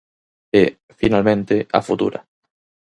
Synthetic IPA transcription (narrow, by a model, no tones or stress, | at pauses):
e | finalmẽnt̪ea̰fut̪ṵɾa̰